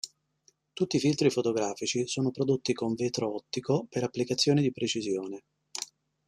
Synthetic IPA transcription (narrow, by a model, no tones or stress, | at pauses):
t̪ut̪ːiːfilt̪ɾifot̪oɡɾaːfit͡ʃisoːnopɾod̪ot̪ːikoɱveːt̪ɾoɔt̪ːikopeɾapːlikat̪sːjoːnid̪ipɾet͡ʃizjoːne